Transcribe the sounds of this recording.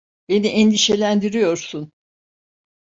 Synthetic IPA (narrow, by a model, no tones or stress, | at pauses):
be̞niʔɛnd̪iʃe̞lʲænd̪iɾijo̞ɾsun